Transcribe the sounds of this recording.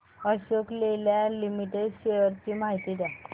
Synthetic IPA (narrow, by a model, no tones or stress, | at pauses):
əɕokleljalimiʈeɖɕejəɾt͡ɕiːmaɦit̪id̪a